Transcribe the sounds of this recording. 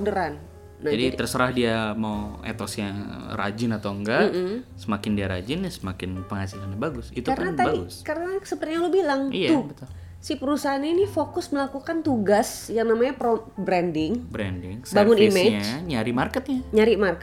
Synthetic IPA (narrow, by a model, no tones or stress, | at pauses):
dəɾanː | ad͡ʒadit̪ərsəɾahdiamawḛt̪ɔsjara̰d͡ʒɪnat̪awŋɡaʔm̩səmakɪndiaɾa̰d͡ʒɪnasəmakɪnpəŋhasilanɲabaɡʊsit̪ukaɾənat̪abaɡʊskaɾənasəpərt̪iɲaŋlobilaŋijaubət̪ʊl | sipəɾusaɦananifokʊsməlakukant̪uɡasjaŋnamaɲaprobɾɛndɪŋbɾɛndɪŋsbbaŋʊnimeɲad͡ʒɲaɾɪmarkət̪̚ɲaɲaɾɪʔmarkət̪